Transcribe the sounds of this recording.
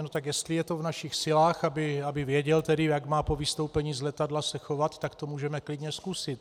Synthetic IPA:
not̪akjɛst̪lɪjɛt̪o̞vnaʃixsɪlaːxabɪabɪvjɛɟɛlt̪ɛdɪjaɡmaːpo̞vɪst̪o̞wpɛɲiːzlɛt̪adlasɛxo̞vat̪ːakt̪o̞muːʒɛmɛklɪdɲɛskusɪt̪

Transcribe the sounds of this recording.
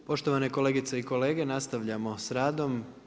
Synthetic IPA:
po̞ʃt̪o̞ʋanekole̞ːɡit̪seiko̞le̞ːɡe̞nast̪aʋʎamo̞sɾaːd̪o̞m

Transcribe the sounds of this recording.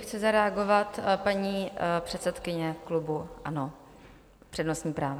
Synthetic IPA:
xt͡sɪzaɾɛaɡo̞vat̪paɲiːpr̥ɛt̪sɛt̪kɪɲɛklubuʔano | pr̥ɛdnosɲiːpɾaːva

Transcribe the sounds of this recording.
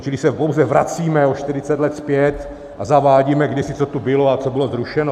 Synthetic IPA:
t͡ʃɪlɪsɛpowzɛvɾa̰t͡siːmɛoʃt̪ɪɾɪt͡sɛt̪lɛt̪spjɛt̪ | ʔazavaːɟiːmɛɡdɛsɪt͡sot̪ubɪloat͡sobɪlo̞zɾuʃɛno

